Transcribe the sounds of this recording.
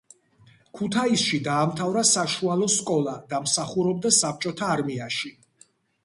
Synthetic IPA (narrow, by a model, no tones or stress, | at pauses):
kʰut̪ʰaisʃid̪aːmt̪ʰavɾasaʃualˠɔskʼɔlˠad̪amsaχuɾɔbd̪asap̚ʰt͡ʃʼɔt̪ʰaːɾmiaʃi